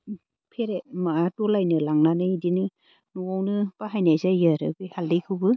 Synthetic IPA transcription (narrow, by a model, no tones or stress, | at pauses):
pʰeɾemaatɔlajnɯlaŋnanɯidinɯ | nuwawnɯpaɦajnajzajɯɾɯ̰bihaldɯjkʰɯwbɯ